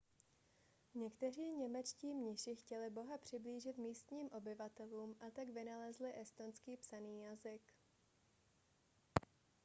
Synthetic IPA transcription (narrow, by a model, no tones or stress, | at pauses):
ɲɛkt̪ɛr̝iːɲɛmɛt͡ʃciːmɲɪʃɪxcɛlɪbo̞ɦapr̝̥ɪbliːʒɪt̪miːst̪ɲiːmʔo̞bɪvat̪ɛluːmʔat̪aɡvɪnalɛzlɪʔɛst̪o̞nskiːpsaniːjazɪk